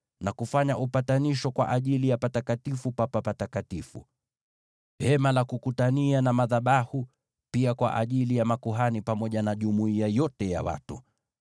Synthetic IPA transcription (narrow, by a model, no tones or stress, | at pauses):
nakufaɲaʔupataniʃɔkwa̰ʔaʄilijapatakatifupapapatakatifṵ | hɛmalakukutanianamaðaɓahu | piakwa̰ʔa̰ʄilijamakuɦanipamɔʄanaʄumuiajɔtɛja̰wa̰tṵ